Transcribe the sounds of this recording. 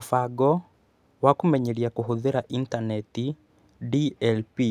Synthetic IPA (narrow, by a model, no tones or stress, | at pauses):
faɡɔ | wakumɛɲɛɾiakuɦuðiɾaʔintanɛti | diɛlpi